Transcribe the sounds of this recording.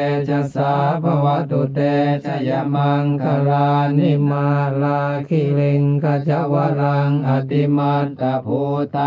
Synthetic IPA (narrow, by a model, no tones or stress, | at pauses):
t͡ʃasabawat̪ut̪ɛt͡ʃajamaŋkaɾanimalakilɪŋkad͡ʒaʔwaɾaŋat̪imat̪̚kabut̪a